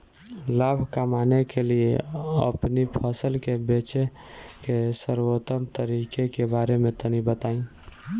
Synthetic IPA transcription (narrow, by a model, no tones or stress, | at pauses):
laːbʱkamaːnekelieə̰pnipʰəsəlkebet͡ʃe | kesəɾwot̪əmt̪əɾikekebaːɾemẽt̪ənibət̪aːĩ